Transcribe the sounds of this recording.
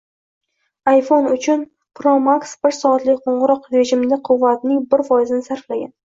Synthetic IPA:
ajfo̞nʊt͡ʃʰʊn | pʰɾomaksbɪɾsɒat̪lɪkʲqʰoɴʁɨɾɒqɾe̞ʒɪmd̪aqʰʊvːat̪nɪŋbɪɾfɒjɪzɪnɪsaɾflaɡʲa̰n

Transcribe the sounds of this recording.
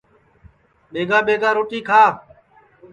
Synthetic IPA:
ɓeːɡaːɓeːɡaːɾoːʈiːkʰaː

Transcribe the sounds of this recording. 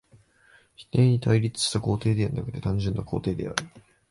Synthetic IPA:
çi̥t̪ẽ̞ɲ̟it̪ʰaiɾʲit͡sɨ̥ɕt̪ako̞ːt̪e̞ːd̪e̞aɾ̟na̰kɯ̟̥t̪e̞t̪ãɲ̟d͡ʑɨ̃nːako̞ːt̪e̞ːd̪e̞̰a̰ɾɯ̟

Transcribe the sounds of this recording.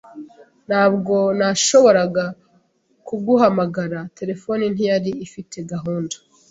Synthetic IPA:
n̥haːbɡo̞naʃo̞βo̞ɾaɡa | kuɡuɦamaɡaɾate̞ɾe̞fo̞nin̥ijaɾiːfitʰe̞ɡaɦuːndo̥

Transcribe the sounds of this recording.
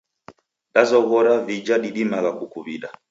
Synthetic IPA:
ɗazɔɣɔɾavid͡ʒaɗiɗimaɣakukuβiɗa

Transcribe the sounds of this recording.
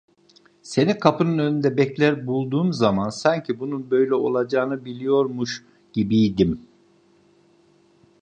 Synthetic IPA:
se̞nikʰapʰɯnɯnønynd̪ɛbɛclʲæɾbulˠd̪uːmzamansaɲcʰibununbø̞jlʲɛo̞̰lˠad͡ʒaːnɯbilʲijo̞ɾmuʃ | ɟ̥ibijd̪im

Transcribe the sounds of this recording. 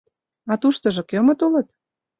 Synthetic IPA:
ɑt̪uʃt̪ɤ̆ʒɤ̆kɤmə̆t̪olɤ̆t̪̚

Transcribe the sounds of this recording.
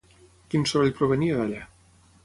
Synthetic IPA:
kinsoβaʎpɾoβəniəðaʎa

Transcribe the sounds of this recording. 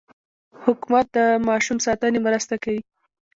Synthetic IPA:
hʊkumat̪̚d̪əmɑʃumsɑt̪ənemɾəst̪akawi

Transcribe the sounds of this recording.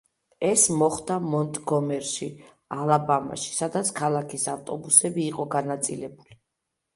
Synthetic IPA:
ɛsmɔχd̪amɔnt̪ʼɡɔmɛɾʃi | alˠabama̰ʃi̥sad̪at̪sʰkʰalˠakʰisaft̪ʼɔbusɛbiːqʼɔɡanat̪sʼilɛbuli

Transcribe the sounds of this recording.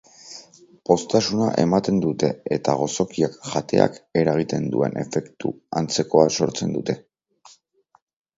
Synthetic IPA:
po̞st̪asunaʔe̞mat̪e̞nd̪ut̪e̞et̪aɣ̞o̞so̞kiakʝat̪e̞̰a̰ke̞ɾaɣ̞it̪e̞nd̪ue̞̰nʔe̞̰fe̞kt̪ṵa̰nt͡se̞ko̞aso̞ɾt͡se̞nd̪ut̪e̞

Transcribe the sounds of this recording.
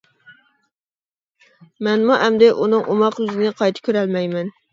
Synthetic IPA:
mɛnmuʔɛmd̪ɪʔunɨŋʔomɑqyzɪnɪqʰɑjt̪ʰɪ̥kʲʰøɾɛlmɛjmɛn

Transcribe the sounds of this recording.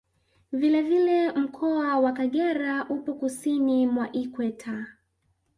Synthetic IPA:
vilɛvilɛm̩kʰɔawakaɠɛɾaʔupɔkusinimwaʔikwɛtʰa

